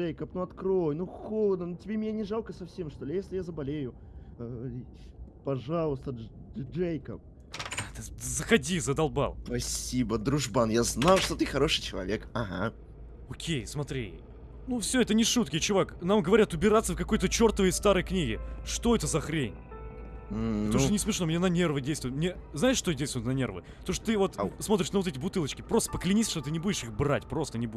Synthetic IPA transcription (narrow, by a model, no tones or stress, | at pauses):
ejkəpnuɐt̪kɾojnuxolˠəd̪nənutʲɪbʲemʲɪnʲanʲɪʐalˠkəsɐfsʲemʂt̪olʲɪjesʲlʲɪjazəbɐlʲejʊ | pɐʐalˠəst̪əʐejkəp̚ | t̪ɨzəxɐdʲizəd̪ɐlˠba̰lˠpɐsʲibəd̪ɾʊʐbanjaznajʊʂt̪ot̪ɨxɐɾo̞ʂɨjt͡ɕɪlˠɐ̰vʲekaɦa̰ | okʲʰejsmɐt̪ɾʲḭ | nufsʲoɛt̪ənʲɪʂut̪kʲɪjt͡ɕʊvaknamɡəvɐɾʲat̪ʊbʲɪɾat̪səfkɐko̞jt̪ət͡ɕo̞rt̪əvəjəst̪aɾəjknʲiɡʲɪʂt̪o̞ɛt̪əzɐxɾʲen̩ʲ | pət̪ɐmuʂtt̪onʲɪsmʲɪʂnomnʲenɐnʲe̞rvɨdʲejst̪ʊɪt̪mnʲe | znaɪʂːt̪odʲejst̪vʊjɪt̪nɐnʲe̞rvɨ̰ | t̪oʂt̪o̥t̪ɨvo̞t̪smo̞t̪ɾɪʂnəvo̞t̪ɛtʲɪbʊt̪ɨlˠət͡ɕkʲɪpɾost̪əpəklʲɪnʲisʲʂt̪ot̪ɨnʲɪbudʲɪʂixbra̰tʲpɾo̞st̪ənʲɪbu